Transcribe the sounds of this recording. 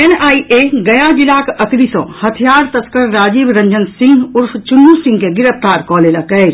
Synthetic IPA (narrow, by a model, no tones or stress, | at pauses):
enaːiʔeɡɐjad͡ʒilaːkəkɾisõːhət̪ʰijaːɾt̪ɐsʰkəɾːaːd͡ʒiːbɾɐ̃ɲd͡ʒənsɪ̃ŋɡʊɾfʰt͡ʃʊnːusɪ̃ŋɡkeɡɪɾəpt̪aːɾkɔːlelakɛɾ